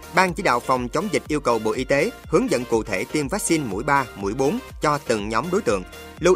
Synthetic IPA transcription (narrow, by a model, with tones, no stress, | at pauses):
ɓaː˧nt͡ɕi˨˦˥ɗa̰ː˧˨wfa˨˩wŋ͡mt͡ɕə˨˦wŋ͡mzï˨˩k̟̚ʔi˧əwkə˨˩wɓo̰˧˨ʔi˧t̪e˨˦ | hɨ˨˦əŋzə̰˧˨nkṵ˧˨t̪ʰe˧˩t̪i˧əmvaː˦˥k̚si˧nmṵ˧˩əjɓaː˧mṵ˧˩əjɓo˨˦n | t͡ɕɔ˧t̪ɨ˨˩ŋɲɔ˨˦mɗo˨˦jt̪ɨ̰˧˨əŋ | lu˧